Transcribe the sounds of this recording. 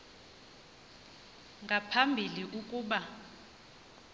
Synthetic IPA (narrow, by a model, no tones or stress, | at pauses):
ŋʱapʰambʱiliʔukʼuːɓa